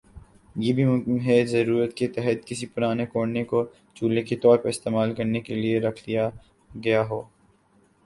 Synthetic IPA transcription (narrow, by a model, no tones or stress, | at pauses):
jebʱimʊkɪmɦɛzɐɾuːɾət̪ket̪ɛɦət̪kɪsipʊɾaːnekoːɽneko | t͡ʃuːlnekit̪ɔːɾpɐɾɪst̪eːmaːlkɐɾnekelieɾɐkʰd̪ija | ɡɐjaɦoː